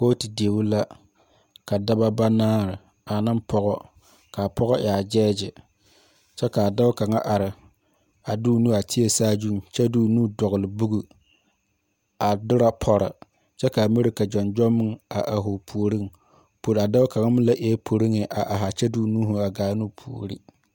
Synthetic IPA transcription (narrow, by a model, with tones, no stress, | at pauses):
ko˦ti˨di˨e˨wu˦la˦ | ka˨da˦ba˦ba˦naː˦ɾɪ˨ | a˨nɨ˦mpʰɔ˦ɣɔ˦ | ka˨pɔ˦ɣɔ˦ʔa˨d͡ʒɛː˦d͡ʒɪ˨ | t͡ʃɛ˦ka˨da˦ka˨ŋa˦ʔa˨ɾɪ˨ | a˨duː˦nu˦a˨tʰɪ˦e˦saː˦d͡ʒu˦˨ŋ˨t͡ʃɛ˦duː˨nuː˦dɔ˨ɣʊ˨lɪ˨bu˦ɡu˨ | a˨dʊ˦ɾa˦pʰɔ˦ɾɪ̰˨ | t͡ʃɛ˦ka˨mi˦ɾɪ˨ka˨d͡ʒɔ˨nd͡ʒɔ˦mːɪ˦ŋa˨ʔa˨ɦʊ˨pʰu˨o˨ɾi˦ŋ | po˨ɾa˨da˦ka˨ŋa˦mʊ˦la˦ʔɛ˦pʰo˨ɾi˦ŋɪ˨ʔa˨ʔa˨ɦa˨t͡ʃɛ˦duː˦nuː˦ɦu˨a˨ɡaː˨˦nu˦pʰu˨o̰˨ɾi˦